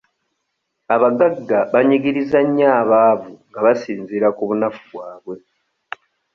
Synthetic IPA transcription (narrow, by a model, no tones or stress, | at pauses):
aβaɡaɡːaβaɲiɡiɾizaɲːaːβaːvuŋɡaβasiːnziɾakuβunafuβwaːβwe̞